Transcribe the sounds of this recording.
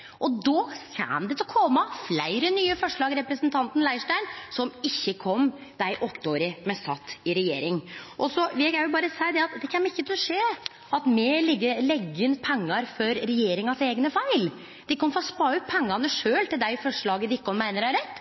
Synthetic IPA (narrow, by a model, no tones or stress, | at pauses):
ʔɔd̪ɔːçæ̰nd̪ɛt̪ʰɪlkʰɔmɑflæɪɾənyːəfɔʂɭɑːɡɾɛpɾəsənt̪ʰɑnt̪n̩læɪʂʈæɪnsɔmɪçːəkʰɔmː | d̪̥æɪʔɔt̪ːəoːɾɪmɛst̪ɑt̪ːɪɾɛjḛːɾɪŋʔɔsɔʋɪɛɡæʊbɑːɾəsæɪd̪ɛɑt̪d̪ɛkʰɛmːɪçːət̪ʰɪlɔʂeː | ɑt̪mɛlɪɡːəɾlɛɡːɪnpʰɛŋːɑɾfɔɾɾɛjeːɾɪŋɑseːɡnəfæɪl | d̪̥ɪɪkːɑnfɔɾɔspɑːʉt̪̚pʰɛŋːɑnəʂøːlt̪ɪld̪æɪfɔʂɭɑːɡəd̪ɪɪkːəɔnmæɪnəɾæɾɛt̪ː